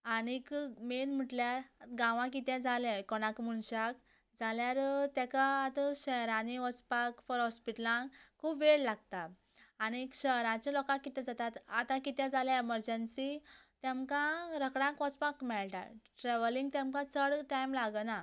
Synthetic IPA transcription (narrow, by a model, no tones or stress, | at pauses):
añikmenm̤əʈljaɾɡãʋãk̬it̪ɛ̃d͡zʱalɛ̃kɔɽ̃ãkm̤uɳɕak | d͡zaljaɾt̪ɛ̃kaːt̪əɕəɦɾãniʋɔt͡spakfɔɾɦɔspiʈəlãkkʰuːpʋeɭlaɡt̪aː | ñikɕəɦɾãt͡ɕɔ̃lɔkãkːit̪ɛ̃d͡zat̪at̪at̪ãkit̪jɛ̃d͡zaljaeməɾd͡ʑənsit̪ɛmkãɾəkɽãkʋɔt͡spakmɛɭʈa̰ʈɾɛʋəlĩŋɡ̚t̪ɛ̃mkãt͡səɽʈajmlaɡəna